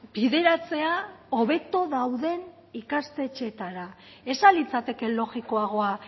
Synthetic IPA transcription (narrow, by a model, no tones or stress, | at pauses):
biðe̞ɾat͡se̞ao̞βe̞t̪oðawðe̞n | ikast̪e̞t͡ʃe̞t̪aɾa | e̞salit͡sat̪e̞ke̞lo̞ɣiko̞aɣ̞o̞a